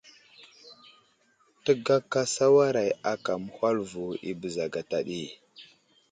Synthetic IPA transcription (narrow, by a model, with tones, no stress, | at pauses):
tə˦ɡa˦kːa˦sa˦wa˦ɾa˨ja˨ka˨mə˨hʷa˦lvu˨ḭ˦bə˨za˨ɡa˨ta˨ɗi˦